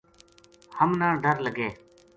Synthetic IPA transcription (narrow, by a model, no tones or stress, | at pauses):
həmnãːɖəɾləɡeː